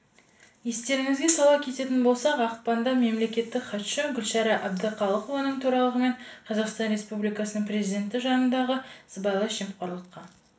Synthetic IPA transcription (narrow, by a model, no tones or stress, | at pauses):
je̞st̪e̞ɾɪŋɪzɡʲe̞sɑlˠɑpkʲʰe̞t̪e̞t̪ɪnbo̞lˠsɑqɑqpɑnd̪ɑme̞mle̞kʲe̞t̪ːɪkχɑt̪ʃəɡʲʏlʃɑɾɑʔæb̚d̪əqʰɑlˠəqovɑnəɴt̪ʰuɾɑlˠəʁəme̞ɴqʰɑzɑqst̪ɑnɾe̞spublijkɑsənəɴprʲe̞zid̪ʲe̞nt̪ɪʒɑnənd̪ɑʁəz̥bɑjlˠɑʃemqɑɾlˠəqːɑn